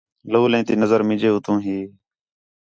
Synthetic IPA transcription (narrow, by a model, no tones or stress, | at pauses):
loːlẽːt̪iːnəzəɾmɪ̃ːd͡ʒeːʊt̪ũːɦiː